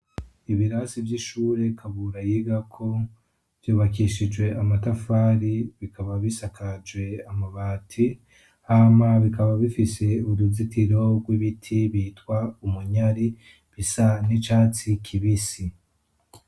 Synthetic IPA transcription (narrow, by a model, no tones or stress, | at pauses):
iβiɾasivjiʃuːɾe̞kʰaβuɾajiɡakʰo̞ | v̥juːβakiʃid͡ʒwe̞ʔamatafaːɾiβikʰaβaβisakʰad͡ʒwe̞amaβaːtʰi | aːmaβikaβaβifise̞uɾuzitiɾo̞ɡwiβitʰiβiːtkwaumuɲaɾi | βisanit͡ʃaːt͡sikʰiβisi